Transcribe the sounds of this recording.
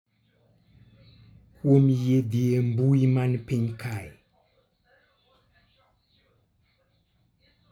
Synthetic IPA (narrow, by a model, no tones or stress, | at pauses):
komijed̪iembuimanipeɲkʰaji